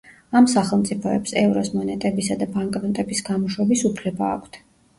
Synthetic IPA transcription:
amsaχɛlˠmt̪sʼipʰɔɛpsɛvɾɔsmɔnɛt̪ʼɛbisad̪abaŋkʼlɔnt̪ʼɛbisɡamɔʃwɛbisupʰlɛbaːkʷʰt̪ʰ

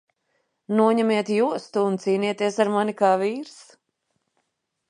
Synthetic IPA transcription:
nuɔɲɛmiɛt̪juɔst̪uːnt̪siːniɛt̪iɛsaɾmanikaːviːɾs

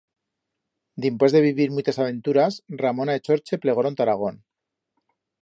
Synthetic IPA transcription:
d̪impwe̞zðe̞β̞iβiɾmut͡ʃ̪asaβ̞e̞nt̪uɾasramo̞naet͡ʃo̞ɾt͡ʃe̞ple̞ɣoɾont̪aɾaɣ̞o̞n

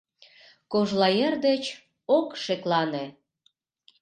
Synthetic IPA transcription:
koʒlɑjerd̪et͡ɕ | okʃeklɑne

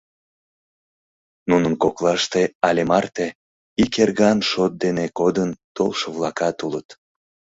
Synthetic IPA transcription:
nunənkoklɑʃt̪eɑlʲemɑrt̪e | ikerɣɑnʃot̪̚d̪enekod̪ənt̪olʃəβlɑkɑt̪ulət̪

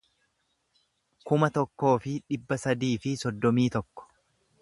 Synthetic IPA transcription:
kʊmɐt̪ɔkːo̞ːfɪᶑɪbːɐsɐd̪iːfɪsɔd̪ːɔmiːt̪ɔkːɔ̥

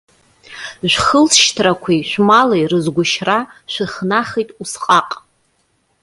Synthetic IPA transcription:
ʒᶣʷχəlʃtʰrakʷʰiʃʷᶣmalejrɨzɡʷʊʃraʃʷᶣɨχnaχijtʼusqʼaqʼ

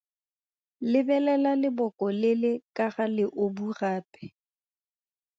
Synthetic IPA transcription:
lɪbɛlɛlalɪbɔkʼɔlɪlɪkʼaɣalɪʔoburaːpʼɛ̥

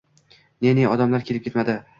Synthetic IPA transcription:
neneɒd̪amlaɾkʲʰe̞lɪp̚kʲet̪mad̪ɪ

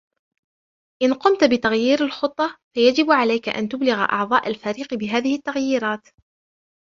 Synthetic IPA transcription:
ʔɪnqʊmt̪bɪt̪aɣjiːɾalxʊt̪ˤːɑfajad͡ʒɪbʕalajka̰ʔa̰nt̪ʊblɪɣʔɑ̰ʕðˤɑːʔalfaːɾiːqbɪɦaːðɪhɪt̪ːaɣjiːɾɑːt̪

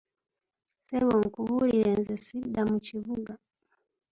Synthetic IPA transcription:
sɛβɔŋkuβulilɛnzɛsidamut͡ʃiβuɡa

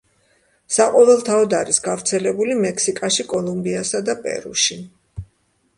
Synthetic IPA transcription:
saqʼɔvɛlˠt̪ʰaɔd̪aɾisɡavɾt̪sʰɛlɛbulimɛkʰsikʼaʃikʼɔlˠumbiasad̪apʼɛ̰ɾṵʃi

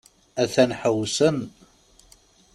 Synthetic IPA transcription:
æθænħəwsən

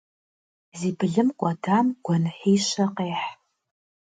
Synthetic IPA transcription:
ziːbɨɮɨmkʷʼɔdaːmɡʷɔnħiːʃɐqeːħ

